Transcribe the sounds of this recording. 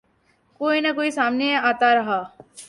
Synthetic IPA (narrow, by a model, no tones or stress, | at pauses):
koːinɐkoːisaːmneaːt̪aɾɐɦaː